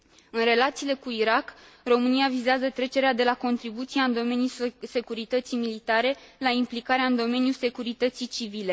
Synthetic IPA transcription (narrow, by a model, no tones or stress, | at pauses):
ɨnre̞lat̪siːle̞kuiɾak | ro̞mɨniavizeazət̪ɾe̞t͡ʃe̞ɾead̪e̞lako̞nt̪ɾibut̪sijaɨnd̪o̞me̞nʲjuse̞kuɾit̪ət̪sijmilit̪aɾe̞laimplikaɾeaɨnd̪o̞me̞nʲjulse̞kuɾit̪ət̪sit͡ʃivile̞